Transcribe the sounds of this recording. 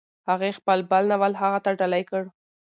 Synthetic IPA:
haɣexpəlbalnawalɦaɣat̪aɖalajkəɽ

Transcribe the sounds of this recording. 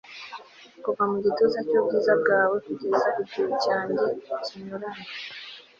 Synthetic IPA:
kuvamuɟitozecobɡiːzabɡaːwetuɟeːzaʔibɟuɾucaːɲɟeciɲoɾaŋa

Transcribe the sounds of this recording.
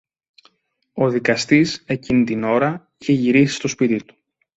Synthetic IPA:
o̞ðikɐst̪ise̞cinit̪ino̞ɾɐ | içeʝiɾisi̥st̪o̞spit̪it̪u̥

